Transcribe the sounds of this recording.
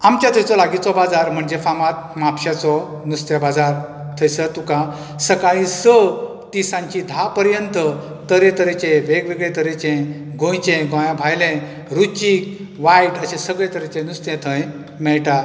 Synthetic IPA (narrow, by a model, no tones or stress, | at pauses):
amt͡ɕat̪ʰəjt͡sɔlaɡit͡sɔbad͡zaɾm̤əɳd͡ʑefamat̪̚mapɕat͡sɔ | nust̪jabad͡zaɾ | t̪ʰəjsət̪ukã | səkaɭĩsə | t̪isãɲt͡ɕid̪ʱapəɾjənt̪ə | t̪əɾẽt̪əɾet͡ɕẽʋeɡʋeɡɭet̪əɾet͡ɕẽɡʱõjt͡ɕẽɡɔ̃jãbʱajlẽ | ɾut͡ɕiːk̚ʋaiʈəɕẽsəɡɭẽt̪əɾet͡ɕẽnust̪jẽt̪ʰə̃j | mɛɭʈa